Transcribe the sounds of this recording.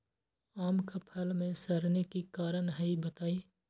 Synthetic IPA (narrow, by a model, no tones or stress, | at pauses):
aːmkapʰɐlmẽsɐɾnekikaːɾənɦɐibɐt̪aːiː